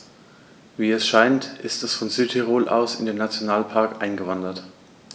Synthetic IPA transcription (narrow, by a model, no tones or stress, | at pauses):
viːɛsʃaɪntʔɪstɛsfɔnzyːthiʁ̞oːlʔa̰ʊsɪ̰ndeːnːat͡sjonaːlpʰaɐkʔaɪnɡəvandɐt